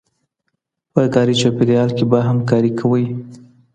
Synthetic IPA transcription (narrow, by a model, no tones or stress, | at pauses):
pəkɑɾit͡ʃopeɾiɑlkebaɦamkɑɾikʰawəj